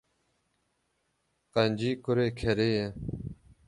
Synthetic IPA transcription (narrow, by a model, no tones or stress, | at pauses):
qɐnʲd͡ʑiːkuɾeːkʰeɾeje